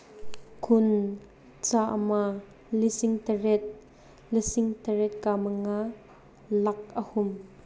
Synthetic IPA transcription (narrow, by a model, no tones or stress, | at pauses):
kʰʊn | t͡saːʔə̰ma | lisɪŋt̪ɐrɛt̪̚ | lisɪŋt̪ɐɾɛt̪̚kamɐŋa | lɐk̚əhʊm